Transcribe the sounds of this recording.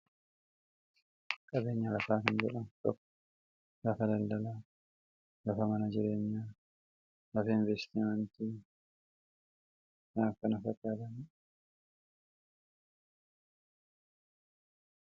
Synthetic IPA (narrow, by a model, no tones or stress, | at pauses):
kʼɐbe̞ːɲːɐlɐfaːkɐnd͡ʒɛᶑɐnt̪ɔkː | lɐfɐd̪ɐld̪ɐlaː | lɐfɐmɐnɐd͡ʒɪɾeːɲːa | lɐfɐɪnvɛst̪ɪmɐnt̪i | naːfkɐnɐfɐkʼːaːd̪ɐmi